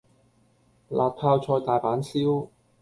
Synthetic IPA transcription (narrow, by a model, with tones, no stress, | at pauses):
la̰ː˨˩t̚pʰaː˧wt͡ʃʰɔː˧jt̪aː˨˩jpaː˨˥nsiː˥w